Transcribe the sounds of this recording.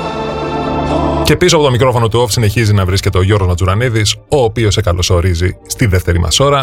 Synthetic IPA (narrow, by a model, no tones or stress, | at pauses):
ce̞pisoɐpo̞t̪o̞mikɾo̞fo̞no̞t̪uofsine̞çizinɐvɾisce̞t̪e̞o̞ʝo̞ɾɣozmɐt͡suɾɐniðiso̞ːpio̞sekɐlʔo̞so̞ɾizist̪iðe̞ft̪e̞ɾimʔɐ̰so̞ɾɐ